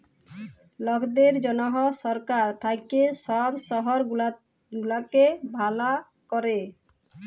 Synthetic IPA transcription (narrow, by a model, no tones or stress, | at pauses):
lɔkʰd̪eɾd͡ʑɔnɔɦɔʃɔɾkaɾt̪ʰajkeʃɔbʃɔɦɔɾl | ɡulakebʱala | kɔɾe